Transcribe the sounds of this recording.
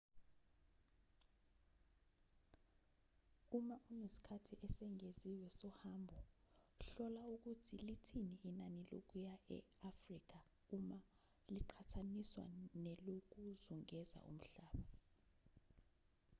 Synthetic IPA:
umaʔunesi̥kʰatʰiʔɛsɛŋeziwɛsɔhambʱɔ | ɬɔlauk̬utʰilitʰiniinanilo̰k̬ʼujaʔɛ̰afrik̬a | uma | liǃʰatʰaniswa̰nɛlok̬uzuŋɛza̰ʔṵm̩ɬaːɓa

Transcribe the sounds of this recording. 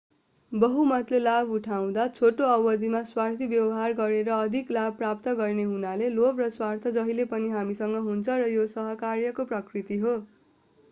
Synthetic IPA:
bʌɦumʌt̪lelabuʈʰaw̃d̪at͡sʰoʈoʌwʌd̪ʱimaswart̪ʰibjʌwʌɦarɡʌɾeɾʌːd̪ʱiklab̚prap̚t̪ʌɡʌrneɦunalelobrʌswart̪ʰʌd͡zʌɦilepʌniɦamisʌŋɡʌɦunt͡sʰʌrʌjosʌɦʌkarjʌkoprʌkrit̪iɦo

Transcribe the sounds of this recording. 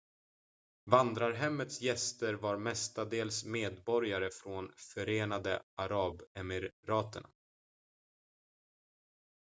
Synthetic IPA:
vand̪ɾaɾɦɛmːət̪sjɛst̪əɾvaɾmɛst̪ad̪eːlsmeːd̪bɔɾjaɾəfɾonfœɾeːnad̪əaɾɑːbɛmɪɾɾɑːt̪əɳa̰

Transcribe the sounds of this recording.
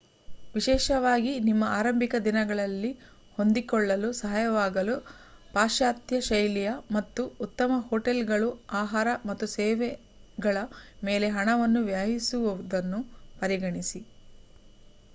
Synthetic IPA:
ʋiʃɛːʃɐʋaːɡinimːɐaːɾɐmbʱikɐd̪inɐɡɐɭɐlːi | ho̞nd̪ikɔɭːɐlusɐɦajɐʋaːɡɐlu | paːʃaːt̪jɐʃɐjlijɐmɐt̪ːuːt̪ːɐmɐhoːʈelɡɐɭuaːɦaːɾɐmɐt̪ːuseːʋɛ | ɡɐɭɐme̞ːle̞ɦɐɳɐʋɐnːuʋjaːɦisuʋuʋud̪ɐnːupɐɾiɡɐɳisi

